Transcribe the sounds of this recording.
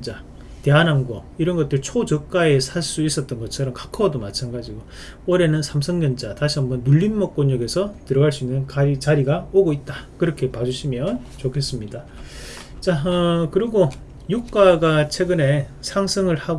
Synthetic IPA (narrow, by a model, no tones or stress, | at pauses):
d͡ʑa | te̞anɦanɡwʌ | iɾʌnɡʌt͈ɯɭt͡ɕʰot͡ɕʌk̚k͈ae̞sʰaɭs͈uis͈ʌt̚t͈ʌnɡʌt͡ɕʰʌɾʌmkḁkʰʌdomat͡ɕʰanɡad͡ʑiɡo | oɾe̞nɯnsʰamsʰʌŋɲʌnd͡ʑataɕʰiambʌnːuʎːinmʌk̚k͈oɲjʌɡe̞sʰʌtɯɾʌɡaɭs͈uinːɯnkait͡ɕaɾiɡaoɡoit̚t͈akɯɾʌkʰe̞pad͡ʑuɕʰimjʌnt͡ɕokʰe̞s͈ɯmɲida | t͡ɕaʌkɯɾiɡo | juk͈aɡat͡ɕʰwe̞ɡɯne̞sʰaŋsʰɯŋɯɭha